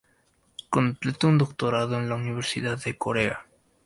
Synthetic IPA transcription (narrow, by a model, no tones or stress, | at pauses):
kõmplet̪und̪okt̪oɾaðoenlauniβ̞eɾsiðaðekoɾea